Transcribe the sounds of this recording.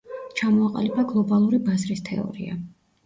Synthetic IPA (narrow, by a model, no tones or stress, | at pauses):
t͡ʃʰamɔaqʼa̰lipʰaɡlˠɔbalˠuɾibazɾist̪ʰɛ̰ɔ̰ɾḭa̰